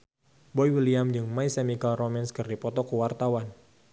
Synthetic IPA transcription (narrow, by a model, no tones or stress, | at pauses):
bɔjwiliamd͡ʒɨŋmaisemikalromɛnskɨrdipɔt̪ɔkəwart̪awan